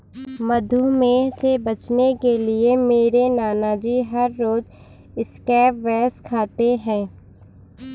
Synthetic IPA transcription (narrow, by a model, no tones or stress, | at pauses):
mɐd̪ʱumẽsebɐt͡ʃnekeliemeːɾenaːnad͡ʒiːɦɐɾːoːz | ɪskɛːpʋɛːskʰaːt̪eɦɛ̃ː